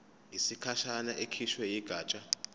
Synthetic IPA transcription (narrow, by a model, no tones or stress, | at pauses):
isikʰaʃanaʔekʰiʃwɛjiɡ̥ʱaːt͡ʃʼa